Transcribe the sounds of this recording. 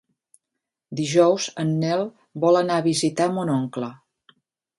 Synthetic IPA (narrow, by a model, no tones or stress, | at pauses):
d̪iʒɔwzənːɛlˠ | bɔlˠənaəβizit̪amonɔŋklə